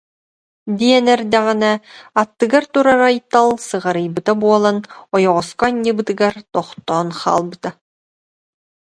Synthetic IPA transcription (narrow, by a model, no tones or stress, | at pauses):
d̪iɛnɛɾd̪ɛʁinɛat̪ːɯɡaɾt̪uɾaɾajt̪ːalˠsɯʁaɾɯjbɯt̪abuɔlˠanɔjɔʁɔskɔɲːɯbɯt̪ɯɡaɾt̪ɔχt̪ɔːnχa̰ːlˠbɯt̪a